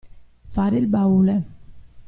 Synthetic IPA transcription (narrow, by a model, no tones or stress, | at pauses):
faːɾɪlbaule